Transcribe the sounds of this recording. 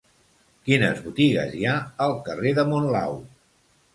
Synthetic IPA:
kinəzβut̪iɣə̰ziaəlˠkəreðəmonla̰w

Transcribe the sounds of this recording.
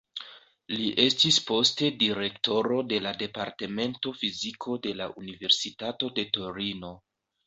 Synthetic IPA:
liʔe̞stispo̞ste̞diɾe̞kto̞ɾo̞de̞lade̞paɾte̞me̞nto̞fizikʰo̞de̞laʔunive̞ɾsitato̞de̞to̞ɾino̞

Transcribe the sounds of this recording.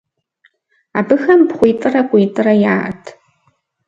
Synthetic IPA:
a̰ːbɨxɐmbχʷijtʼɨrɐkʷʼiːtʼɨrɐja̰ːtʰ

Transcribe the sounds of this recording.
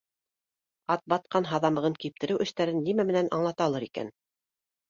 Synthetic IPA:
ɑt̪̚bɑt̪̚qɑnɦɑðɑmɤ̆ʁɤŋkip̚t̪ɘ̆ɾɘwʔɘ̆ʃt̪æɾɘnːimæmɘ̆nænʔɑ̰ɴlˠɑt̪ɑlˠɤɾikæ̰n

